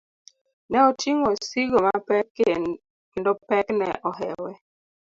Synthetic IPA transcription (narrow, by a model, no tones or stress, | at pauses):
nɛɔtiŋosiɡomapɛkːe | kendopɛknɛ̰ʔɔɦɛwɛ